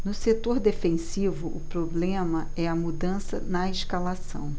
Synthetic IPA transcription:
nʊset̪oɾd̪efẽsivʊʔʊpɾoblẽmɐ | ɛɐmud̪ɐ̃sɐnɐeʃkalasɐ̰̃w̃

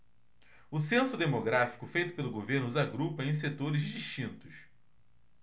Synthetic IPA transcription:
ʊsẽsʊd̪emoɡɾafi̥kʊfejt̪ʊ̥pelʊɡoveɾnʊzaɡɾupɐẽj̃set̪oɾɪzd͡ʒiʃt͡ʃĩnt̪ʊs

